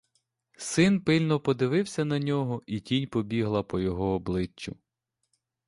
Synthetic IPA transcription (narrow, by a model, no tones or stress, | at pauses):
sɪnpɪlʲnɔpɔd̪ɪʋɪwsʲɐnɐnʲɔɦɔʔitʲinʲpɔbʲiɦlˠɐpɔjɔɦɔːblˠɪt͡ʃːʊ